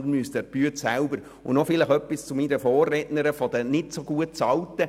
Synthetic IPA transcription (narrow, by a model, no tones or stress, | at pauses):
əmyəstɛb̥yətsælbəɾ | ʊ̰nɔfɪlɪχœpːist͡sʊmiɾəfɔːrːɛdnəɾəfɔd̥ənɪtsoɡuət̚t͡sɑltːə